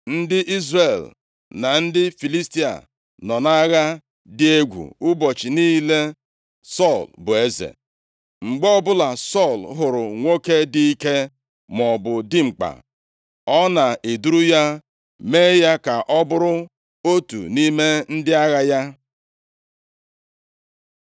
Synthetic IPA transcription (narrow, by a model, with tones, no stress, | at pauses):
n̩˦dɪ˦ʔi˦zre˨l | na˨n̩˦dɪ˦fi˨li˦sti˦a̰˨ | nɔ˨na˦ɣa˦ | dɪ˦e˦ɡʷṵ˨ʊ˦bɔ˨t͡ʃɪ˨niː˦le˦ | sɔ˦˨lbʊ˨e˦zḛ˨ | ŋ͡m̩˨ɡ͡bɔ˦ɔ˦bʊ˦la˨sɔ˦˨lɦʊ˨ɾʊ˨ŋʷo˦ke˦di˦i˦ke˦ | mɔ˨bʊ˨dɪ˦ŋ͡m̩˨k͡pa̰˨ | ɔ˦na˨ʔe˨du˦ɾu˦ja˦ | me˦ja˦ka˨ʔɔ˦bʊ˦ɾʊ˦ | o˦tṵ˨ni˦me˦n̩˦dɪ˦a˦ɣa˦ja˦